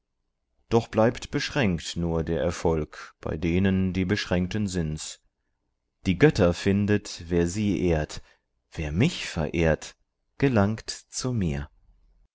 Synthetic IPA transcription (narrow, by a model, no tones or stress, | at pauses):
d̥ɔχb̥laɪptb̥əʃʁ̥ɛŋktnuːɐdeːɐʔɛɐfɔlkb̥a̰ɪdeːnəndiːbəʃʁ̥ɛŋk̚tənzɪnt | d̥iːɡœtʰɐfɪndətv̥eːɐziːʔeːɐt | v̥eːɐmɪçfɛ̰ɐʔeːɐt | ɡ̥əlaŋktt͡sumiːɐ